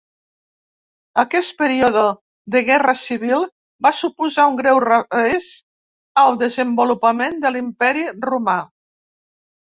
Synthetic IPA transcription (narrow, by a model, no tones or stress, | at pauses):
əkɛst̪̚pəɾioðə | ðəɣɛrəsiβ̞ilˠ | basupuzauŋɡɾɛwrəez | əlˠd̪əzəmbulupəmend̪əlimpɛɾiruma